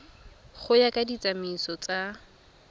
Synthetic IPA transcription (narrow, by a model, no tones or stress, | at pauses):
χʊjakʼadit͡sʼamisɔt͡sʼa